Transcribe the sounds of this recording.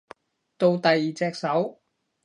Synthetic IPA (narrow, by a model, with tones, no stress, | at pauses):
t̪o˧wt̪ɐ˨jːiː˨˩t͡sɛː˧k̚sɐ˨˥w